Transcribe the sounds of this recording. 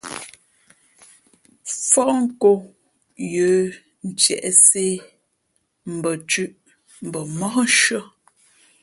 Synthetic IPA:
fɔ˦ʔŋ̩˦ko˦ | jə˨˦ | n̩˨t͡ʃjɛ̰˨ʔse˦ | m̩˨bə˨t͡ʃʉ˦˨ʔ | m̩˨bə˨mɔ˦n̩˦ʃɰə˦

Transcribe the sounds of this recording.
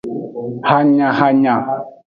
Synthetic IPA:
ha˦ɲã˨ha˦ɲã˨

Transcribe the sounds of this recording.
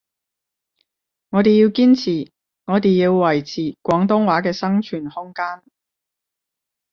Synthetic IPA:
ŋɔː˨˧t̪e˨jiː˧wkiː˥nt͡sʰiː˨˩ | ŋɔː˨˧t̪e˨ji˧wːɐ˨˩jt͡sʰiː˨˩kʷɔː˨˥ŋt̪ʊ˥ŋwaː˨˥kɛː˧sɐ˥ŋt͡ʃʰyː˨˩nhʊ˥ŋkaː˥n

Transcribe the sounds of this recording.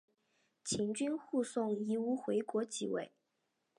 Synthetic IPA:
t͡ɕʰi˧˥ŋt͡ɕy˥nxu˥˧sʊ˥˩ŋi˧˥u˧˥xwe˧˥ɪkwɔ˧˥t͡ɕḭ˨˩wḛ˥˩ɪ

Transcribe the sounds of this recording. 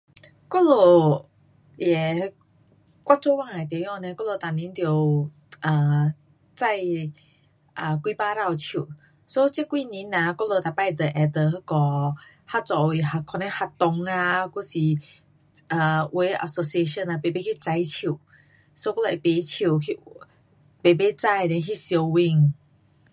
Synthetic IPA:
ko˦˥lo˧˩ | jɛ˨˩ | kwa˧˥t͡so˥˦˨wã˥˧˨a˨t̪jɔ̃˧˨nẽ˧˦kɔ˥˦lo˧˨t̪a˨nĩ˧˦nt̪jo˨˩ | ʔə˨˩ | t͡sa˥˧˨j | ʔə˨kwi˧pa˧˦ɾa˥˧˨wt͡ɕʰu˨˩ | so˧˦t͡ɕe˥kwi˧˦nĩ˧˦nã˧kɔ˦lo˧˨t̪a˨˩pa˥˧˨jd̪ə˨ʔɛ˧˩d̪ə˨ɦkɔ˨˧ | ha˦˧t͡sɔ˨˧i˧˨ɦa˧˩kʰɔ˧nẽ˧˦ha˧t̪ɔ˧ŋa˧ku˥˦si˨ | ə˨we˧˦ʔə̰˧˨so˧si˧e˧ʃə˥˧na˧be˨˩be˦kʰi˦t͡sa˧˦jt͡ɕʰu˨˩˨ | so˧˦ku˦la˨pe˨˦t͡ɕʰu˨˩˨kʰi˧ | be˨be˦t͡sa˥˧˨jnẽ˧˦ɦi˦˧˨sjo˧wi˧˩ŋ

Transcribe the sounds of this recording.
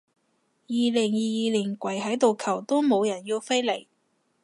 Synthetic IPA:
jiː˨˧lɪ˨˩ŋjiː˨˧jiː˨liː˨˩nkʷɐ˨˩jɦɐ˨˥jt̪o˨wkʰɐ˨˩wt̪o˥wmo˨˧wjɐ˨˩njiː˧wfe˥jle˨˩j

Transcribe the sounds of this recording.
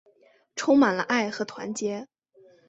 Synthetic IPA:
ʈ͡ʂʰʊ˥ŋma˨˩nlə̰˦ʔa˥˩ɪxɤ˧˥t̪ʰwa̰˧˥nt͡ɕjɛ˧˥

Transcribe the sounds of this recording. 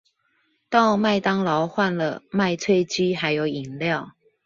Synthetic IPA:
t̪ɑ˥˨ʊma˥˨ɪt̪ɑ˥ŋlɑ˨˧˦ʊxwa˥˨nlə˨ma˥˨ɪt͡sʰwe˥˧ɪt͡ɕi˦ɦa˧˦˥ɪjo˨˥ʊi˨˩ŋljɑ˥˨ʊ

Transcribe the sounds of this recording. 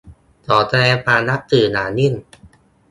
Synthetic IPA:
t̪ɔː˨˩˦t̪ʰa˧lɛː˧ŋpʰaː˧na˦˥k̚t̪ɯː˨˩naː˩˦ni˥˩˨n

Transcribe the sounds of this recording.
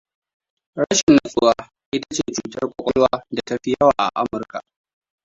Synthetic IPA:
ɽa˦ʃɪ˨nːa˨sʼʊ˦wa˦ | ʔɪ˦tḁ˦t͡ʃeː˦˨t͡ʃuː˨tɐ˦rkʷʼɔ˨kʷʼɔ˦lwaː˦da˨ta˦ɸɪ˦jɐ˦waː˨ʔa̰˨ʔa˦mʊ˨rka˨ʔ

